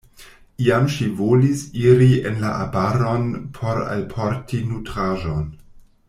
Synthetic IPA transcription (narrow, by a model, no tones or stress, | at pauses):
iamʃivolisiɾienlaʔabaɾonpʰoɾa̰lpʰoɾtʰinutɾaʒon